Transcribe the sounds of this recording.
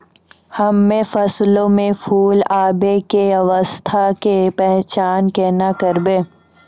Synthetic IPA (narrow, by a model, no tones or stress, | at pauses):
hɐmːẽfɐslõmẽfʰuːlaːbekeɐʋəst̪ʰakepɛɦt͡ʃaːnkɛːnakəɾbẽː